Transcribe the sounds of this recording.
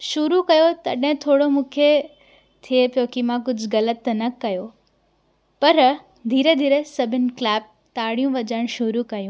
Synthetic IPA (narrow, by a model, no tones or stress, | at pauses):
ʃʊɾukɐjot̪ɐɗɦɪ̃t̪ʰoːɽomũːkʰe | t̪ʰiepjokimãk̬ʊd͡ʑʱɣɐlət̪nɐkɐjo | pɐɾ | d̪ʱiːɾed̪ʱiːɾesɐbʱɪnɪ̆klɛːb̚ | t̪aːɽijũʋɐd͡ʑəɪɽ̃ʃʊɾukɐjũː